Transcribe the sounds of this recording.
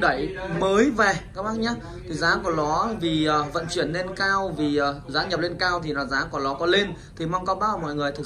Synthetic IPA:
ɗə˧˩jməː˨˦jvɛ˨˩kaː˨˦˥maː˦˥t̚ɲaː˨˦˥ | t̪ʰi˨˩zaː˨˦ku˧˩əlɔ˨˦vi˨˩əː˨˩və̰˧˨nt͡ɕwi˧˩ənːe˧nkaː˧wvi˨˩əː˨˩zaː˨˦ɲə˨˩p̚le˧nkaː˧wt̪ʰi˨˩nɔ˨˩zaː˨˦ku˧˩əlɔ˨˦kɔ˨˦le˧nt̪ʰi˨˩ma˧wŋ͡mkɔ˧wɓaː˧˦˩mɔ̰˧˨jŋɨ˨˩əjt̪ʰɨ˨˩k

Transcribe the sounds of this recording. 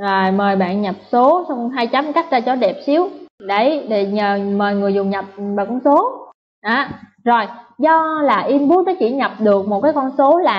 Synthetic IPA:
ʔəː˨˩məː˨˩jɓa̰ː˧˨nɲa˨˩p̚so˨˦sɔ˧wŋ͡mɦaː˧jt͡ɕa˨˦mka˦˥k̟̚zaː˧t͡ɕɔ˨˦ɗɛ˨˩p̚si˨˦əwɗə˨˦jɗe˧˩ɲəː˨˩məː˨˩jŋɨ˨˩əjzʊ˨˩ŋ͡mɲa˨˩p̚ɓaː˨˩kɔ˧nso˨˦ | ʔaː˨˦ | zo˨˩jzɔ˧laː˨˩ʔi˧nɓu˦˥p̚nɔ˨˦t͡ɕḭ˧˩ɲa˨˩p̚ɗɨ˨˩ək̚mo˨˩t̚kaː˨˦jkɔ˧nso˨˦laː˨˩

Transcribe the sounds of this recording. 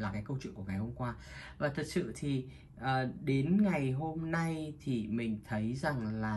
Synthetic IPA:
laː˨˩kaː˨˦jkə˧t͡ɕwḭ˧˨ŋku˧˩ŋa˨˩jho˧ŋ͡mkwaː˧vaː˨˩t̪ʰə˨˩t̚sɨ̰˧˨t̪ʰi˨˩ | ʔəː˨˩ɗe˨˦nŋa˨˩jɦo˧mna˧jt̪ʰi˨˩mï˨˩ŋ̟t̪ʰə˨˦jza˨˩ŋlaː˨˩

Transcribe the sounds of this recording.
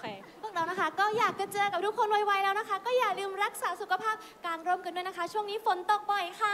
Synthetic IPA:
pʰu˥˩ək̚ɾa˧wna˦˥kʰa˦˥kɔː˥˩jaː˨˩k̚t͡ɕa˨˩t͡ɕɤː˧ka˨˩p̚du˦˥kʰo˧nwa˧jwa˧jlɛː˦˥wna˦˥kʰa˦˥kɔː˥˩jaː˨˩lɯː˧mɾa˦˥k̚saː˩˦su˨˩kʰa˧pʰaː˥˩p̚kaː˧nɾo˥˩mkɯː˧ndu˥˩˨jna˦˥kʰa˦˥t͡ɕʰu˥˩əŋniː˦˥fo˨˩˦nt̪o˨˩k̚pa˧jkʰa˥˩

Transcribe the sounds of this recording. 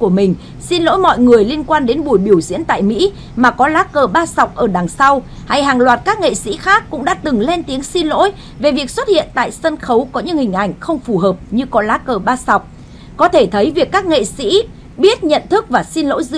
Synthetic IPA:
ku˧˩əmï˨˩ŋ̟ | si˧nlo̰˧˥jmɔ̰˧˨jŋɨ˨˩əjli˧ənkwaː˧nɗe˨˦nɓu˧˩jɓi˧˩əwzḭ˧˥ənt̪a̰ː˧˨jmḭ˧˥ | maː˨˩kɔ˨˦laː˨˦˥kəː˨˩ɓaː˧sa˨˩wk͡p̚ʔəː˧˩ɗaː˨˩ŋsa˧wha˧jɦaː˨˩ŋlwaː˨˩t̚kaː˦˥k̚ŋḛ˧˨sḭ˧˥xaː˦˥kːʊ̰˧˥ŋ͡mɗa̰ː˧˥t̪ɨ˨˩ŋle˧nt̪i˨˦əŋsi˧nlo̰˧˥j | ve˨˩vi˨˩ək̚swə˦˥t̚hḭ˧˨ənt̪a̰ː˧˨jsə˧nxə˨˦wkɔ˨˦ɲɨ̰˧˥ŋhï˨˩ŋ̟ʔa˧˩jŋ̟xə˧wŋ͡mfu˨˩ɦəː˨˩p̚ɲɨ˧kɔ˨˦laː˨˦˥kəː˧˩ɓaː˧sa˨˩wk͡p̚ | kɔ˨˦t̪ʰe˧˩t̪ʰə˨˦jvi˨˩əkːaː˦˥k̚ŋḛ˧˨sḭ˧˥ | ɓi˦˥ət̚ɲə̰˧˨nt̪ʰɨ˦˥k̚vaː˨˩si˧nlo̰˧˥jzɨ̰˧

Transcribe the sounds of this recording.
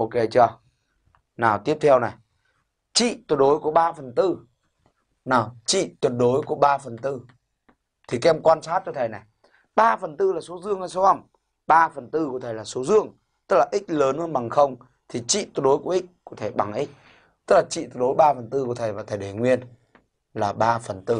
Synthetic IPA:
ʔo˧ke˨˦t͡ɕɔ˧ | naː˨˩wt̪i˦˥əp̚t̪ʰɛ˧wna˨˩j | t͡ɕḭ˧˨t̪u˨˧˩t̚ɗo˨˦jku˧˨˩ə˦ɓaː˧fə˨˩nt̪ɨ˧ | naː˨˩wt͡ɕḭ˧˨t̪wə˨˩t̚ɗo˨˦jku˧˩əɓaː˧fə˨˩nt̪ɨ˧ | t̪ʰi˨˩kɛ˧mkwaː˧nsaː˦˥t̚t͡ɕɔ˧t̪ʰə˨˩jna˨˩j | ɓaː˧fə˨˩nt̪ɨ˧laː˨˩so˨˦zɨ˧əŋha˧˩jso˨˦ə˧˩wŋ͡m | ɓaː˧fə˨˩nt̪ɨ˧kət̪ʰə˨˩jlaː˨˩so˨˦zɨ˧˨əŋ | t̪ɨ˦˥k̚laː˨˩ʔï˦˥k̟̚ləː˨˦nʔnɓa˨˩ŋxə˧wŋ͡m | t̪ʰi˨˩t͡ɕḭ˧˨t̪u˨˧˩ɗo˨˦jku˧˩əʔi˦˥k̟̚kɔ˨˦t̪ʰe˧˩ɓa˨˩ŋʔi˦˥k̟̚ | t̪ɨ˦˥k̚laː˨˩t͡ɕḭ˧˨t̪̚ɗo˨˦jɓaː˧fə˨˩nt̪ɨ˧kət̪ʰə˨˩jvaː˨˩t̪ʰə˨˩jɗe˨˩jŋwi˧ən | laː˨˩ɓaː˧fə˨˩nt̪ɨ˧

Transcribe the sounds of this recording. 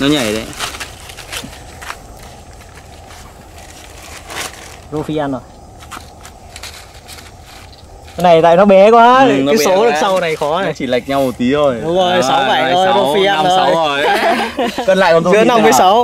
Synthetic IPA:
nɔ˨˦ɲa˧˩jze˨˦ | zo˧fi˧ʔaː˧no˨˩j | kə˨˧˦na˨˩jt̪a̰ː˧˨jnɔ˨˦˥ɓɛ˨˦kwaː˨˦ɨ˨nɔ˦˨˦so˨˦ɗɨ˨˩˦k̚sa˧wna˨˩jxɔ˨˦na˨˧˩t͡ɕi˧˩la˨˩jk̚ɲa˧wmo˨˩t̚t̪i˨˦zo˧˩jɗʊ˨˦zo˨˩jsa˨˦wa˧˩˧o˧˨˩jzo˧fi˧ʔaː˧o˨˩jo˨˩ | kəː˧nla̰ː˧˨kɔ˧˩t̪o˧ɨ˨˦˧na˧˨mːɨː˨˦sa˨˦w

